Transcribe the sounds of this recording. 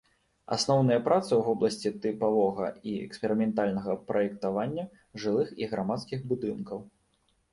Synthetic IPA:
a̰snɔwnɐjɐpɾat̪sɨwvɔblˠɐsʲt͡sʲit̪ɨpavɔɣɐ̰iɛ̰kspʲɛɾɨmʲɛnt̪alʲnɐɣɐpɾɐjɛkt̪avanʲːɐ | ʐɨlˠɨxiɣɾamat̪skʲixbud̪ɨnkɐw

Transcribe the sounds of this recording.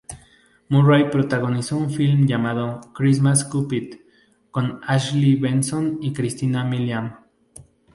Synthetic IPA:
murajpɾot̪aɣonisounfilmjamaðokɾis̬maskupit̪ | konaʃliβensonikɾist̪inamiljam

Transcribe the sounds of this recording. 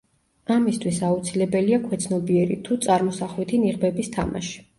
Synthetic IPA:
amist̪ʰwisaut̪sʰilɛbɛliakʰwɛt̪sʰnɔbiɛɾḭt̪ʰut̪sʼaɾmɔsaχlwit̪ʰiniʁbɛbist̪ʰa̰ma̰ʃi̥

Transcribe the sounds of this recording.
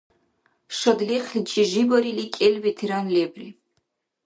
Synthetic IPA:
ʃɔd̪liχlit͡ʃʰʼiʒibɔɾilikʼɛlwit̪ʰiɾanlɛbri

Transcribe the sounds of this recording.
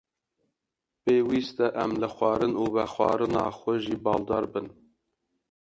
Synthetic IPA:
peːwiːst̪ɛʔɛmlɨxʷɑːɾɨnuːvɛxʷɑ̰ːɾɨnɑ̰ːxʷɛʒiːbɑːld̪ɑːɾbɨn

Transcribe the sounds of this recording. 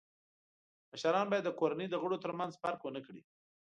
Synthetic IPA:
məʃaɾɑnbɑjad̪ːəkoɾanəjd̪əɣəɽot̪əɾmanzpaɾkwənəkɽḭ

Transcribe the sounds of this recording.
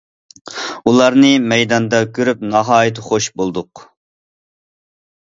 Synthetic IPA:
ulˠɑɾnɨmɛjd̪ɑnd̪ɑkʲʰøɾyp̚nɑɦɑːjit̪ʰɨχoʃbolˠd̪ʊq

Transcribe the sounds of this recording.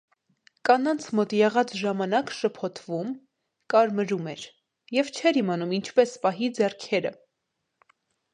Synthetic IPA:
kɑnɑnt͡sʰmɔt̪jɛʁɑt͡sʒɑmɑnɑkʃəpʰɔt̪ʰvum | kɑɾməɾumɛɾ | jɛvt͡ʃʰɛɾhimɑnumint͡ʃʰpɛspɑɦid͡zɛrkʰɛɾə̰

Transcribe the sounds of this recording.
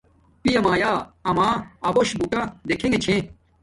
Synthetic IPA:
pijɐmaːjaːɐmaːɐboɕbuʈad̪ekʰẽŋet͡ɕʰẽ

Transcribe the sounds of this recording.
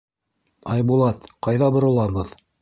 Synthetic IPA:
ɑjbulˠɑt̪qɑjðɑbŏɾŏlˠɑbɤð

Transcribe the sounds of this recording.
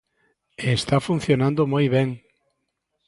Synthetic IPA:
est̪afun̟θjonãnd̪omojβɛŋ

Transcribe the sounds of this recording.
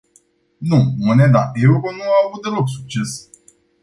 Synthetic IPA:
nũmoned̪aʔeuɾonuaavut̪̚d̪eloksuk̚t͡ʃes

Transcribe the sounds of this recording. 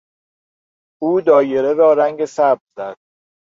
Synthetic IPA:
ʔuːd̪ɒːjeɾeɾɒːɾæŋɟe̞sæb̚ɾzæd̪̥̚

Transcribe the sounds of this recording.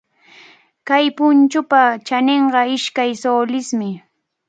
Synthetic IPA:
kajpʊnt͡ʃʊpat͡ʃaneɴɢɑɪʃkajsoːlɪsmɪ

